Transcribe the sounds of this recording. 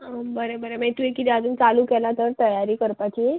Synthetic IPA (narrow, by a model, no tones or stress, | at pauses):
əbəɾebəɾemet̪uekit̪iad͡zuːnt͡saluːkɛlat̪əɾt̪əjaɾiːkəɾpat͡ɕiː